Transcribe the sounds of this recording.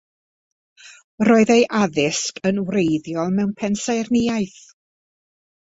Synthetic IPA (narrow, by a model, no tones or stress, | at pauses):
roːɨðejʔaðɪskənwrejðjɔlˠmɛwnpʰɛnsajrnɪjaɨθ